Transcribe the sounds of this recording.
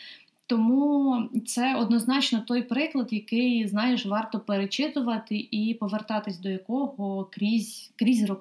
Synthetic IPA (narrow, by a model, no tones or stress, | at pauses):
t̪ɔmut̪sɛɔd̪nɔznɑt͡ʃnɔt̪ɔjpɾɪklˠɐd̪jɐkɪjznɑjɪʃʋɑrt̪ɔpeɾet͡ʃɪt̪ʊʋɐt̪ɪʔipɔʋert̪ɑt̪ɪsʲd̪ɔjɐkɔɦɔkɾʲizʲkɾʲizʲrɔ